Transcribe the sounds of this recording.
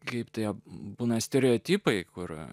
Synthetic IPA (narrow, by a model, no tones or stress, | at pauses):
kɐɪpt̪ɐɪɐbuːnɐsʲt̪ʲɛɾʲɛoːt̪ʲiːpɐɪkʊr